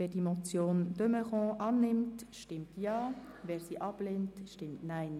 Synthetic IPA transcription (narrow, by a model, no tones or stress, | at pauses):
vɛːdimɔt͡sjoːnd̥ømɛʁɔ̃ʔɑːnɪmtʃtɪmtʰjɑː | vɛːɾsiʔɑbleːntʃtɪmtnaɪn